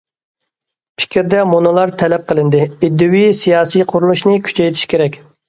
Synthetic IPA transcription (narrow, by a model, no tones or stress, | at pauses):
pʰɪ̥kʲɾd̪ɛmonɨlˠɑɾt̪ʰɛlɛp̚qʰəlˠɨnd̪ɨid̪ːuwisijɑːsijqʰʊɾulˠuʃnɨkʲʰy̥t͡ʃʰɛjt̪ʰi̥ʃkʲʰeɾɛkʲ